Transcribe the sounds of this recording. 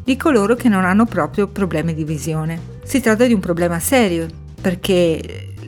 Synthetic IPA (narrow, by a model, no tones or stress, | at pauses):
d̪ikoloːɾok̟enːonanːopɾɔːpɾjopɾoblɛːmid̪ivizjoːne | sit̪ɾat̪̬ːad̪iumpɾoblɛːmasɛːɾjo | perke